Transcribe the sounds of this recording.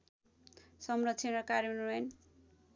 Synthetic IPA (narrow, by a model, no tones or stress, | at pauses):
sʌmrʌt̪ːt͡sʰenʌkaɾmenuʌn